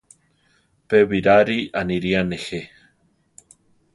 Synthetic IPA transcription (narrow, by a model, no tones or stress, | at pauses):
peβiɾaɾianiɾianexe